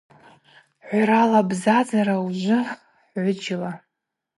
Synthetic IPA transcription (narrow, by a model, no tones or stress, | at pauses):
ħʷaɾalabzad͡zaɾauʒʷʊ | ħʕʷʊd͡ʒɪla